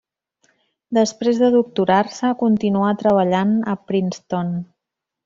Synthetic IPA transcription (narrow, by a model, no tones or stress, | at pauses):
d̪əspɾezðəðuk̚t̪uɾarsəkunt̪inuat̪ɾəβ̞əʎanə̰pɾinst̪on